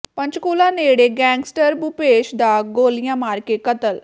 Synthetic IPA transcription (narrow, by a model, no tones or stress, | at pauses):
pə̃ɲt͡ʃkuːlãːneːɽeːɡɛ̃ːŋɡsʈəɾbupeːʃd̪aːɡoːlɪjãːmaːɾkeːkət̪əl